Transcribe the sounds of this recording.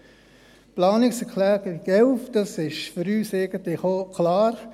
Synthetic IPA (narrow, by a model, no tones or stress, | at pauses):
plɑːnɪksəkʰlɛːɡ̥əɾɪɡɛlfd̥ɑsɪʃføɾyːsɛɪɡ̥əntlɪxokʰlɑːɾ